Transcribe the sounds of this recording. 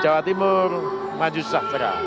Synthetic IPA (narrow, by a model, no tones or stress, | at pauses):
d͡ʒawat̪imʊr | mad͡ʒusaht̪əɾa̰